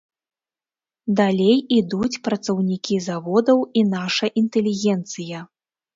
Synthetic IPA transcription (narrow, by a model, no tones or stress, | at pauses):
d̪alʲejid̪ut͡sʲpɾɐt̪sɐwnʲikʲizavɔd̪ɐwinaʂɐʔint̪ɛlʲiɣʲɛnt̪sɨjɐ